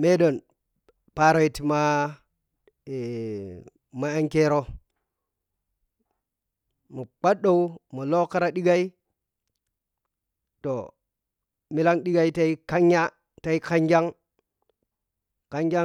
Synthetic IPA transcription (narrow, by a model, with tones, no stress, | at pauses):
me˦ɗo˨n | pa˨ɾo˦i˨ti˨ma˦˨ | ma˨e˦ŋke˦ɾo˦ | mu˨k͡pa˦ɗo˦u˦mo˨lo˦ka˦ɾa˨ɗi˦ɡa˦i˦ | to˨ | mi˦la˦ŋɗi˦ɡa˨i˦ta˦i˦ka˦ɲja˦ | ta˨i˦ka˦ŋɡa˦ŋ | ka˦ŋɡa˦